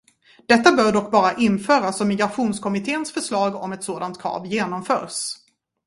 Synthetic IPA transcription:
d̪̥ɛt̪ːabœːɖɔkːbɑːɾaʔɪnfœːɾasɔmːɪɡɾaɧuːnskʰɔmɪt̪ʰeːənsfœʂɭɑːɡɔ̰mɛt̪soːd̪ant̪̚kʰɾɑ̰ːvjeːnɔmfœ̰ːɾs

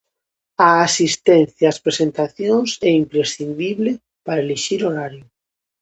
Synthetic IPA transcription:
aːsist̪ɛnθjaːspɾesent̪aθjoŋsɛimpɾesθind̪iβle | paɾaeleʃiɾoɾaɾjʊ

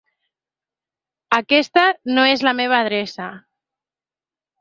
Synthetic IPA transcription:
akɛst̪anoezlameβ̞aːðɾesa

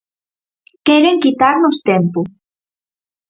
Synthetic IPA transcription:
keɾeŋkit̪aɾnost̪empu

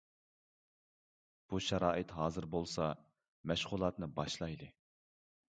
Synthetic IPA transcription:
b̥uʃɛɾɑːʔɨt̪ɦɑːzɨɾbolˠsɑ | mɛʃʁʊlˠɑt̪nɨbɑʃlˠɑjd̪ɨ

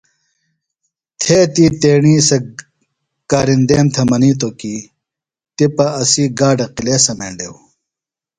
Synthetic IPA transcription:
t̪ʰeːt̪iːt̪eːɳiːsɐ | kaːɾind̪eːmt̪ʰɐmɐniːt̪̬oki | t̪ipɐɐsiːɡaːɖɐqileːsɐmḛːɳɖew

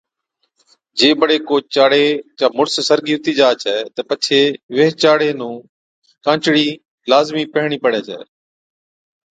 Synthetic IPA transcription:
d͡ʒeːbəɽeːkoːt͡ʃaːɽeːt͡ʃãːmʊɽssəɾɡiːʊt̪iːd͡ʒaːt͡ʃɛːt̪əpət͡ʃʰeːʋeɦt͡ʃaːɽeːnũː | kãːt͡ʃɽiː | laːzmiːpəɦɳ̃iːpəɽ̤eːt͡ʃɛ̰ː

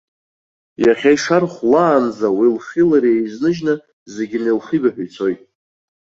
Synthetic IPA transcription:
jaχʲajʂarχʷlaːnd͡zawilχʲilaɾiejznɨʒnɨ | ze̞ɡʲɪnejlχibaħʷᶣujt͡sʰo̞jtʼ

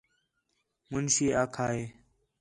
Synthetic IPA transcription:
mʊnʃiːaːkʰaːɦeː

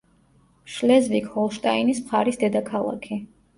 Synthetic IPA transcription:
ʃlɛzvikʰhɔlˠʃt̪ʼainismχaɾisd̪ɛd̪akʰalˠa̰kʰi

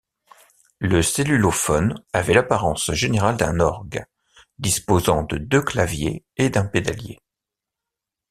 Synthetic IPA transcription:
ləselylofɔnavɛlapaʁɑ̃sʒeneʁald̪ɛ̰̃nɔʁɡ | d̪ispozɑ̃d̪əd̪øklavjḛ | ed̪ɛ̃ped̪aljḛ

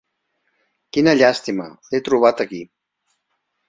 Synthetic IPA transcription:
kinəʎast̪imə̰ | et̪ɾuβ̞at̪əki

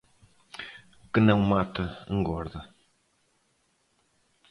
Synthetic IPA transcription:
kɨnɐ̃w̃mat̪ɐḛ̃ŋɡɔɾðɐ

